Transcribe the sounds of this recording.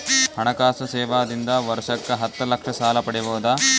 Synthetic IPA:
hɐɳɐkaːsɐsɛːʋaːd̪ind̪ɐʋɐɾʂɐkːɐɦɐt̪ːɐlɐkʂɐsaːlɐpɐɽiboːd̪ɐ

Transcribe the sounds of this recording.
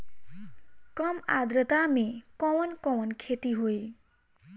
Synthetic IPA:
kʌma̰d̪ɾʌt̪amekʌwʌnkʌwʌnkʰet̪iɦoe

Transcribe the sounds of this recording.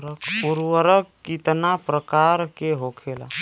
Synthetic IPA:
ɾəkpuɾwəɾəkːit̪napɾəkaɾkeɦokʰela̰

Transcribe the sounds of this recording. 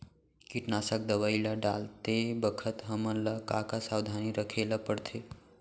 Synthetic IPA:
kiʈnasak̚d̪əʋəilaɖa̰lt̪ebəkʰət̪ɦəmənləkakasawd̪ʱaniɾəkʰeləpəɽt̪ʰe

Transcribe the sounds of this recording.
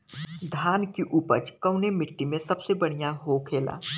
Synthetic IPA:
d̪ʱaːnkiʔʊpə̰t͡ʃkɐʊnemɪʈːimẽsɐbsebɐɽ̤ijaɦokʰeːla̰ː

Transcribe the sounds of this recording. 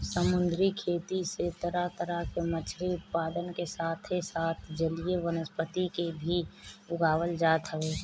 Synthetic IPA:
səmʊ̃nd̪ɾikʰeːt̪iset̪əɾat̪əɾakemət͡ʃʰɾiʊt̪̚paːd̪ənkesaːt̪ʰesaːt̪ʰd͡ʒəlieʋənəspət̪ikebʱiʊɡʱaːwəld͡ʒaːt̪ɦəʋeː

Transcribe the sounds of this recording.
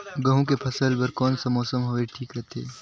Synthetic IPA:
ɡɐ̃ɦũkepʰɐsəlbɐɾkɔːnsɐmɔːsəmɦoːeʈʰiːkɾɐɦt̪ʰḛː

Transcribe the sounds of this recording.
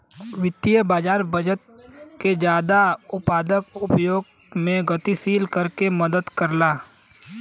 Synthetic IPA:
ʋɪt̪ːijəbaːd͡ʒaːɾbəd͡ʒət̪̚ | ked͡ʒjaːd̪aʊpaːd̪əkʊpjoːɡ | mẽɡət̪isiːlkəɾkeməd̪əd̪kəɾlaː

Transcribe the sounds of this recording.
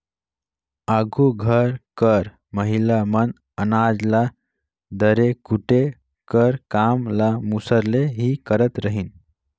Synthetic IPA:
aɡʱuɡʱəɾkəɾ | məɦilamən | ənad͡zla | d̪əɾekuʈe | kəɾkamlamusəɾleɦikəɾət̪ɾəɦin

